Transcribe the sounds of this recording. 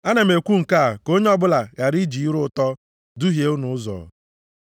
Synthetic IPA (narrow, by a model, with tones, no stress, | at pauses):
a˦ne˨m̩e˨kʷu˦ŋ̩˨ka˦a˨ko˦ɲe˦ɔ˦bʊ˦la˨ja˨ɾi˦d͡ʒi˨i˦ɾʊ˦tɔ˦ | du˦ɦje˨˦nʊ˨ʊ˦zɔ̰˨˦